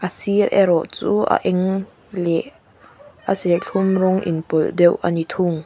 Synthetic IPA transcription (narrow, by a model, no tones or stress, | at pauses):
ʔasirʔɛ̰ɾɔʔt͡suːʔa̰ʔɛŋ | lɛʔ | ʔasirɬʰumrʊŋʔḭnpɔldɛwʔanit̪ʰʊŋ